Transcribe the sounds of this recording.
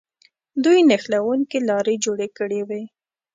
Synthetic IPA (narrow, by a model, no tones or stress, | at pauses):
d̪ujnaxlawuŋkelɑɾed͡ʒoɽekəɽewe